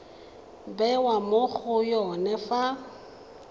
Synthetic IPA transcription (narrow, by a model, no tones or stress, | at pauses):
bɛwamoɣʊjɔnɛfa